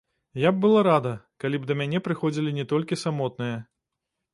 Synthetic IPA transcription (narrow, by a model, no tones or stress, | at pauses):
jab̚bɨlˠaɾad̪ɐkalʲib̚d̪ɐmʲanʲɛpɾɨxɔd͡zʲilʲinʲɛt̪ɔlʲkʲisamɔt̪̚nɨjɐ